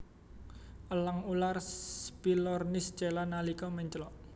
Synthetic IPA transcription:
ʔəlaŋularspilɔrnɪst͡ʃe̤lanalikɔmɛɲt͡ʃlɔʔ

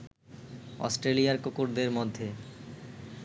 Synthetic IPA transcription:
ɔ̰sʈɾelijaɾkokuɾd̪eɾmod̪ʱːe

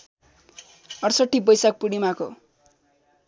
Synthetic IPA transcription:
ʌrsʌʈːibʌjsak̚puɽimako

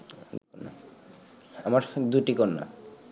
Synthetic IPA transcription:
d̪a̰ | amaɾd̪uʈikɔnːa̰

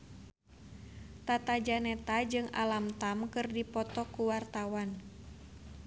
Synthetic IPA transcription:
t̪at̪ad͡ʒanɛt̪ad͡ʒɨŋa̰lamt̪amkɨrdipɔt̪ɔkuwart̪awan

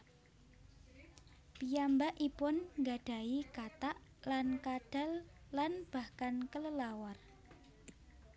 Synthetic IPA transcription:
pijambaʔipʊnŋɡaɖ̥a̤ikat̪aʔlankaɖ̥a̤lːanb̥ahkankələlawar

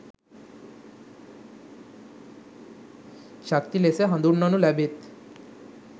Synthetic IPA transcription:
ʃak̚t̪ileseɦə̃nd̪uɾnɔnulɛbet̪

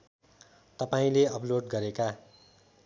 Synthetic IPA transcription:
t̪ʌpaĩleʌploɖɡʌɾeka

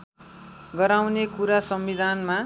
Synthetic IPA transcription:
ɡʌɾawnekuɾasʌmbid̪ʱanma

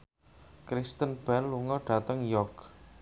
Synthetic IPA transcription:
kɾist̪ənb̥ɛlːuŋɔɖ̥a̤t̪əŋjɔk

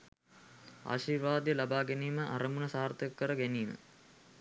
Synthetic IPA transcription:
a̰ʃiːrʋaːd̪ijəlabaːɡɛniːməʔaɾəmunəsaːrt̪əkːəɾəɡæniːmə̰

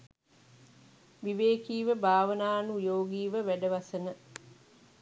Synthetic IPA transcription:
ʋiʋeːkiːʋəbʱaːʋənaːnujoːɡiːʋəʋæɖəʋɐsənə

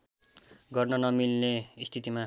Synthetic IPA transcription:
ɡʌrnʌnʌmilneist̪ʰit̪ima

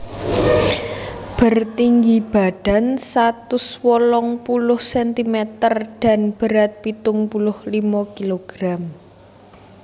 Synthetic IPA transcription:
b̥ərt̪iŋɡib̥a̤ɖ̥a̤nsat̪ʊswɔlɔŋpulʊhsɛnt̪imɛt̪ərɖ̥a̤nb̥ə̤ɾat̪̚pit̪ʊŋpulʊhlimɔkiloɡ̥ɾam

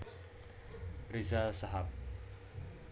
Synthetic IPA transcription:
rizasaɦap̚

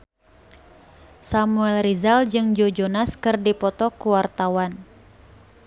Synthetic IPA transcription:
samuɛlrizald͡ʒɨŋd͡ʒod͡ʒonaskɨrdipɔt̪ɔkuwart̪awan

